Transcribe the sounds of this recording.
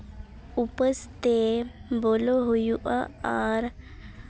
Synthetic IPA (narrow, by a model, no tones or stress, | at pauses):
upəst̪eboloɦojuʔaaɾ